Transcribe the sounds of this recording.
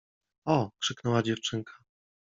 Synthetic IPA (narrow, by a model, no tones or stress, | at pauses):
ɔkʂɘknɛwad͡ʑɛft͡ʂɘŋkʰḁ